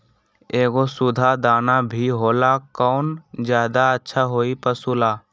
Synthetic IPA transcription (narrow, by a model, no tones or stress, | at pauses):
eːɡosʊd̪ʱad̪aːnabʱiɦoːlakɔːnd͡ʒjaːd̪aətːʃʰaɦoːipəsulaː